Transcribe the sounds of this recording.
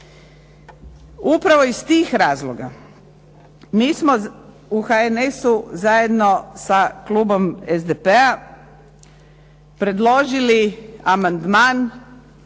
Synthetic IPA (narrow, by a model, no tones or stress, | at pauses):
upɾaʋo̞ist̪iːxɾaːzlˠoɡa̰ | miːsmo̞ | uxaenesuzaje̞d̪no̞sakluːbo̞mezd̪epea | pɾe̞d̪lˠo̞ʒiliamand̪maːn